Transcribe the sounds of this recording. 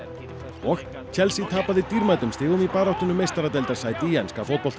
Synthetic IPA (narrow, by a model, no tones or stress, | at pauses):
ɔx | t͡ɕʰɛlsit̪ʰaːpaðɪt̪iɾmajt̪ʏmst̪ɪːɣʏmipaːɾawht̪ʏnʏmejst̪aɾat̪ɛjlt̪aɾ̥saːjt̪iːɛnskafɔkɔlt̪